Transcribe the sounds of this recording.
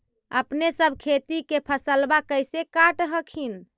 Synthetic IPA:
ə̰pnesəbʱkʰet̪ikepʰəsəlbakəjsekaʈɦəkʰin

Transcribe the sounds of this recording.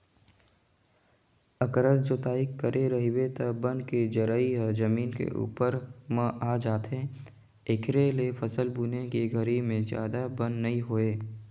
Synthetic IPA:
əkɾəsd͡ʒoːt̪aːikːəɾʔeɾɐɦiwet̪ɐbə̃nkid͡ʒəɾaiɦɛd͡ʒɐmiːnkḛʔṵːpəɾmə̃ʔaːd͡ʒaːt̪ɦẽ | ekʰɾelepʰəsəlbuːnekeɡʱəɾimẽzja̰ːd̪abə̃nnɐɦĩɦoːeː

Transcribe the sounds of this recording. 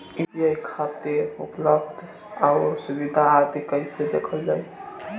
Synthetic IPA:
ĩdijaikʰab̚t̪eupləb̚d̪ʱ | aʊɾsubid̪ʱaːt̪ikəɪsed̪ḛkʰəld͡ʒaj

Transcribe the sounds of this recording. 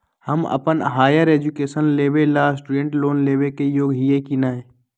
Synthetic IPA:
həmə̰pənɦaːjəɾeːd͡ʒukeːsənleːʋelaːsʈuɖẽɳʈloːnleːʋekejoːɡɦijekinaːẽ

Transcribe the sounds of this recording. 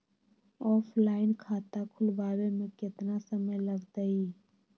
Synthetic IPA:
ɔːpʰlaːɪnkʰaːt̪akʰʊlʋaːwemẽkɪt̪nasəməjlɐɡt̪əiː

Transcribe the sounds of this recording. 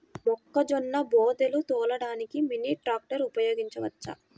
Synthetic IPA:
mɔkːɐd͡ʒɔnːɐbɔːd̪elut̪ɔːlɐɽaːnikiminiʈɾaːk̚ʈɐɾupɐjoːɡiɲt͡ʃɐʋɐt͡ʃːɐ̰

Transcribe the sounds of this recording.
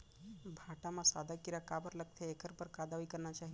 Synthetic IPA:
bʱaʈamãsad̪ʱakiɾakabəɾlək̚t̪ʰeekʰəɾpəɾkad̪aʋikəɾnat͡ʃaɦi

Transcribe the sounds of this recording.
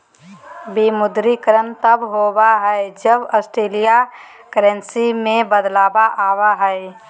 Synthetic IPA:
bimʊd̪ɾikəɾənt̪əbɦoːbaɦɛɛd͡ʒəbɔsʈɾeːlija | kəɾə̃nsimẽbəd̪laːbaʔaːwaɦɛɛ

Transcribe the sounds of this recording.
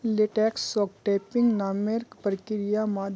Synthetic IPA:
leʈɛksɔkʈepiŋɡnaːmeɾkpəɾkiɾijamaːd̪

